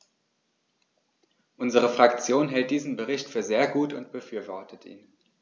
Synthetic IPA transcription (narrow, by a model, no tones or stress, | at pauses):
ʔʊnzəʁ̞əfʁ̥akt͡sjoːnɦɛlt̚d̥iːzn̩bəʁɪçtfyːɐzeːɐɡuːtʊ̰ntb̥əfyːɐvɔɐtətʰʔḭːn